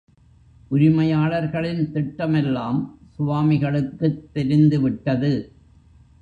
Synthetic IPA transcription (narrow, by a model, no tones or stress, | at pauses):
ʔʊɾɪmɐjaːɭɐɾɣɐɭɪnt̪ɪʈːɐmɛlːaːmsʊʋaːmɪɣɐɭɯkːɯt̪ːɛɾɪnd̪ɯʋɪʈːɐðɯ